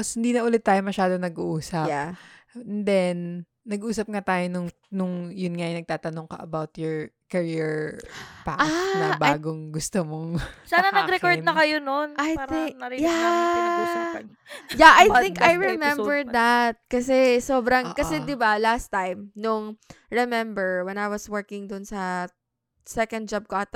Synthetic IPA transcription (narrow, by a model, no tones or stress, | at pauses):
shɪnd̪iːnɐʔʊlɪt̪ːaːjomɐʃaːd̪onɐɡuʔuːsɐjapɛnd̪ɛnː | ɐɡʔuːsɐp̚ŋat̪aːjonʊŋ | nʊŋjʊnŋajɪjnɐɡ̚t̪aːt̪ɐnoŋkɐʔɐbawt̪jɔɹ | kɐɹiɹpa̰anɐbaːɡoŋɡʊst̪omoŋsaːnɐnɐɡɾɛkoɹd̪nɐkɐjononajɪŋja | jaʔajt̪ɪ̃ŋkajɹɛmɛmbɛɹd̪ɐt̪̚kɐsɛsoːbɾɐŋʔkɐsɛd̪ɪbalast̪ajmnʊŋɹɛmɛ̃mbɛɹwɛnajwɐswɛɹkɪŋd̪ʊnsɐ | sɛkɐnd̪̚d͡ʒab̚koʔɐt̪